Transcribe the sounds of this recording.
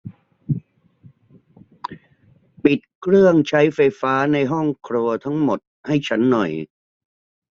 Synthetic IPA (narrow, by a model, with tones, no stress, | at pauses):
pi˨˩t̪̚kʰɾɯ˥˩əŋt͡ɕʰa˦˥jfa˧jfaː˦˥na˧jɦɔ˥˩ŋkʰɾu˧ɐt̪ʰa˦˥ŋmo˨˩t̪̚ha˥˩jt͡ɕʰa˦˥nːɔ˨˩j